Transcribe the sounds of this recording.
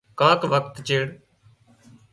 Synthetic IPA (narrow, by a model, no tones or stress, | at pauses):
kãːkʋəkt̪t͡ʃeːɽ